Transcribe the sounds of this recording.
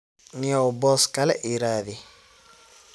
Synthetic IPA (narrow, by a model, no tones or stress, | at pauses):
nɪɔbɔskalɛʔiɾaðɪ